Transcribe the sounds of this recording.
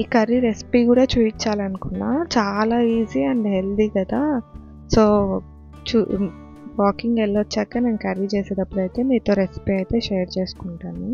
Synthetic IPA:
iːkɐɾiɾe̞spiːkuːɽaːt͡ʃuːpit͡ʃːaːlɐnukunːaːt͡ʃaːlaːiːziːɐɳɖɦe̞ld̪ikɐd̪aː | so̞ː | t͡ʃu | ʋaːkiŋɡelːɐt͡ʃːɛːkːaːneːnukɐɾit͡ʃeːseːd̪ɐpːuɽɐjt̪e̞ːniːt̪o̞ːɾe̞spiːɐjt̪e̞ːʃeːɾt͡ʃe̞ːsu̥kuɳʈani

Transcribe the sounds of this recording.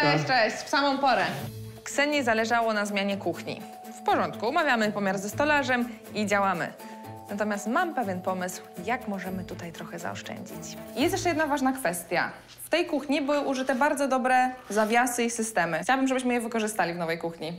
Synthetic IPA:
ɛɕt͡ʂɛɕfsamɔ̃w̃pɔɾɛ | ksɛɲɛzalɛʐawɔnazmʲjaɲɛkuxɲḭ | fpɔʐɔnt̪kuɔmavʲjamɘpɔmʲjaɾzɛst̪ɔlaʐɛm | id͡ʑawamɘ̰ | nat̪ɔmʲjast̪mampɛvʲjɛnpɔmɘswjakmɔʐɛmɘt̪ut̪ajt̪ɾɔxɛza̰ɔ̰ʂt͡ʂɛ̰ɲd͡ʑḭt͡ɕjɛst̪jɛʂt͡ʂɛjɛd̪navaʐnakfɛst̪ʲja̰ | ft̪ɛjkuxɲibɘwɘʔuʐɘt̪ɛbaɾd̪zɔd̪ɔbɾɛzavʲjasɘisɘst̪ɛmɘt͡ɕawabɘmʐɛbɘɕmɘjɛvɘkɔʐɘst̪alʲivnɔvɛjkuxɲi

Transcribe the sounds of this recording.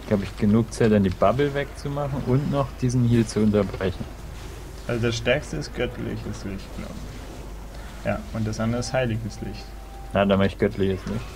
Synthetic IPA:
laːbəɪçɡ̥ənuːk̚t͡saɪtandiːbabl̩vɛk̚t͡sumaχn̩ʔʊntnɔχd̥iːzn̩hiːət͡suʊntɐbʁɛçn̩ | ʔalzodasʃtɛɐkstəɪstɡ̥œtlɪ̰çəslɪçtɡ̥la̰ʊbə | ja̰ːʔʊnt̚d̥asʔandəʁəshaɪlɪɡəslɪ̰çt | nandamaɪçɡ̥œtʰlɪçəsnɪçt

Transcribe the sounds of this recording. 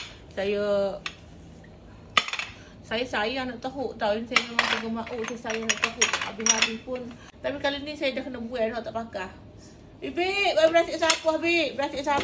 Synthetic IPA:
sajə | sajəsajaanaʔt̪əɦuʔt̪awinisajəmemaŋk̪aɡəmaʔuʔsajəsajənaʔt̪əɦuʔa̰bɪaɾipʊn | t̪apikaloinisajədahkənəbuɛʔdɦaʔt̪aʔpakah | ibiʔbabəɾasiʔsapahbiʔbəɾat̪iʔsa

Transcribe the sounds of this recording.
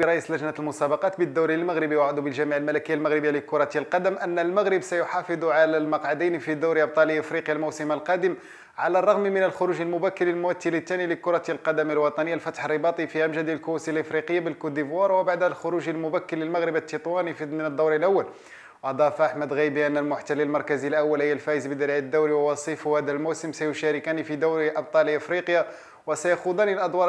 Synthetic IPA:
əɾˤɑʔisləʒnət̪lmʊsæbɑqɑt̪bəd̪ːuwɾilməɣɾəbiwʕʊd̪ubəlʒæmiʕəlmælækəjːalmaɣɾəbəjːaləkːʊɾˤɑt̪ilqɑd̪əmʔənːəlmaɣɾəbsæjʊħɑfɨd̪ˤuʕalælmɑqʕad̪əjnfid̪uwɾiʔɑb̚t̪ˤɑliʔəfɾiqjalmuwsəməlqɑd̪əm | ʕa̰lærˤːɑɣmimənəlxʊɾuʒəlmʊbækːəlːəlmʊwæt̪ːilət̪ːæniləkːʊɾˤɑt̪ilqɑd̪əmilwɑt̪ˤɑnəjːalfæt̪ħərːəbɑt̪ˤifihæmʒæd̪iəlkʊwæsilʔəfɾiqəjːabəlkud̪ivwɑɾˤwəbaʕd̪lxʊɾuʒəlmʊbækːəlːəlmaɣɾəbət̪ːit̪ˤwɑnifmənəd̪ˤːɑɾəlʔawːæl | wʔɑd̪ˤɑfʔaħmæd̪ɣijbiʔænːəlmʊħt̪ælːəlmɑɾˤkæzilʔæwːælhəjːlfæʔəzbəd̪ɑɾʕəd̪ːuwɾiwwɑsˤifʊhæd̪ælmowsəmsæjʊʃæɾɪkænifid̪uwɾiʔɑb̚t̪ˤɑliʔəfɾiqja | wəsæjaxud̪ænilʔɑd̪ˤwɑɾˤ

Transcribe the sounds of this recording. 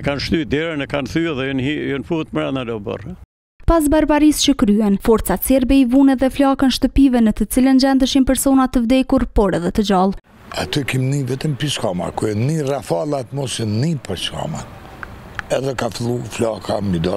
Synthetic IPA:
kanʃt̪yd̪ɛɾənɛkanθyɛðɛnijɔnfut̪məɾanad̪ɔbə̰r | pas̬baɾbaɾist͡ɕəkɾyɛnfɔɾt̪t͡sat̪sɛɾbɛivunɛðɛflakənʃt̪əpivɛnət̪ət͡silənd͡ʑɛnd̪əʃimpɛɾsɔnat̪əvd̪ɛkuɾpɔɾɛðɛt̪əd͡ʑalˠ | at̪ɛkimnivɛt̪əmpiʃkama̰kuɛnirafalˠat̪mɔsənipaʃka̰ma | ɛðɛkafilˠuflakʰamid̪a

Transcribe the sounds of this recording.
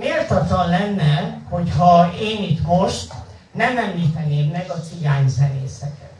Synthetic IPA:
meːlt̪ɒt̪lɒnlɛnːɛho̞chɒeːnit̪mo̞ʃt̪ | nɛmɛmliːt̪ɛneːmmɛɡɒsiɡaːɲzɛneːsɛkɛ

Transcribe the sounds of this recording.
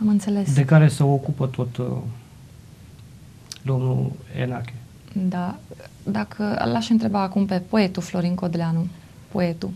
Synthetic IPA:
amɨnt̪se̞le̞sd̪e̞kaɾe̞səokupət̪o̞t̪ | d̪o̞mnṵḛnakʲe | d̪ad̪akʰə̰laʃɨnt̪ɾe̞baːkumpe̞po̞e̞t̪uflo̞ɾiŋkod̪leanu | po̞e̞t̪u

